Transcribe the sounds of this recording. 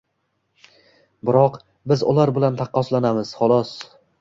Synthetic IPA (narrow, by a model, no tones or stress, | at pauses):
bɪɾɒq | bɪzʊ̰laɾbɪlant̪ʰɑqʰːɒslanamɪz̥χɒlˠɒs